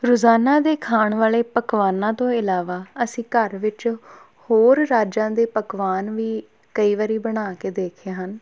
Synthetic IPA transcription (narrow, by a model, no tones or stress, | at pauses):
ɾʊzaːnaːd̪eːkʰaːɳʋaːleːpəkʋaːnãːt̪õːɪlaːʋaːəsĩːkəɾʋɪt͡ʃ | hoːɾːaːd͡ʒãːd̪eːpəkʋaːnʋiː | kəiːʋaɾiːbəɽ̃aːkeːd̪eːkʰaːɦən